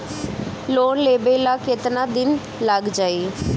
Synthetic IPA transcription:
loːnleːbeːlaːkɪt̪naːd̪ɪn | ləɡd͡ʒaːiː

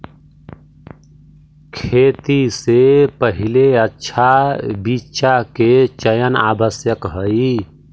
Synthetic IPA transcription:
kʰeːt̪isepəɦileətːʃʰabitːʃaket͡ʃəjəna̰ːbəsjəkɦəi

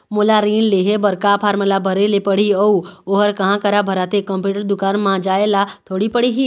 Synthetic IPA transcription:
molaɾiːnleɦebəɾkapʰaːɾməlabʱəɾelepəɽ̤iəuoɦəɾkəɦãkəɾabʱəɾat̪ekə̃mpjuːʈəɾd̪ʊkaːnmãd͡ʒaːelat̪ʰoːɽipəɽiɦi

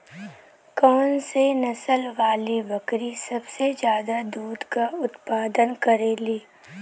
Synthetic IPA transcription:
kɔːnsenɐsəlʋaːlibəkɾisɐbsed͡ʒjaːd̪ad̪uːd̪kaʊt̪paːd̪ənkəɾeːliː

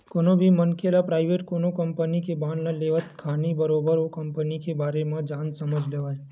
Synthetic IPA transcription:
konobʱimənkelapɾaːɪʋeʈkonokəmpənikebãːnnaleʋət̪kʰanibəɾobəɾokəmpənikebaːɾemãd͡ʒãːnsəməd͡ʒʱleʋae

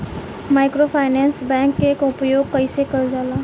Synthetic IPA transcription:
maːɪkɾopʰaːɪnɛːnsbɛ̃ːŋkːeːkʊpjoːɡ̚kɐisekəld͡ʒaːlaː

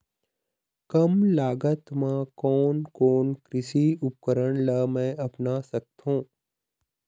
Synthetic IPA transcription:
kɐmlaːɡət̪mãkɔːnkɔːnkɾɪsiʊp̚kəɾəɳ̃lamɛ̃ʔɐpnasɐk̚t̪õː

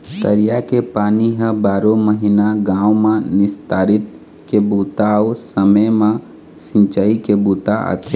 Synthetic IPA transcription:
t̪əɾijakepaniɦəbaːɾoməɦinaɡãũmãnɪst̪aːɾit̪̚ | kebut̪aosəməjmã | sĩnt͡ʃaikebut̪aʔə̰t̪ʰe

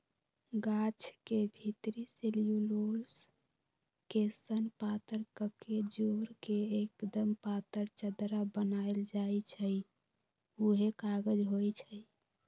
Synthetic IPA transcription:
ɡat͡ʃʰkebʱit̪ɾiselijulols | kesənpat̪əɾkəked͡ʒoɾkeekd̪əmpat̪əɾt͡ʃəd̪ɾabənaeld͡ʒajt͡ʃʰəj | uɦekaɡəd͡ʒɦojt͡ʃʰəj

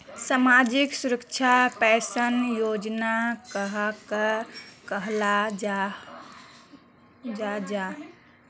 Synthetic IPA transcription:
samad͡ʒiksuɾəkt͡ʃʰapɛsənjod͡ʒnakəɦakəkəɦla | d͡ʒad͡ʒa

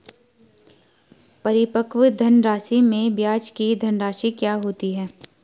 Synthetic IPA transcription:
pɐɾɪpəkʋd̪ʱɐnɾaːsimẽbjaːd͡ʒkid̪ʱɐnɾaːʃikjaːɦoːt̪iɦɛː

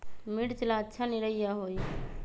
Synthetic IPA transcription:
miɽt͡ʃəlaətːʃʰaniɾəijaɦoːi

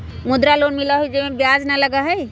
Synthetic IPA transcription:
mʊd̪ɾaloːnmɪlaɦuid͡ʒemẽbjaːd͡ʒnalɐɡaɦɛj

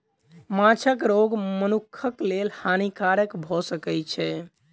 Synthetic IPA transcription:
mãt͡ʃʰəkɾoɡmənukʰːəklelhanikaɾəkbʱɔsəkɛt͡ʃʰɛ

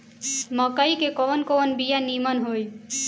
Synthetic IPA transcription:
mʌkʌjkekonkonbijanimʌnɦoj

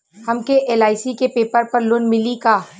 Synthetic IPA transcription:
hɐmkeʔeːlaːɪsikepeːpəɾpɐɾloːnmɪlikaː

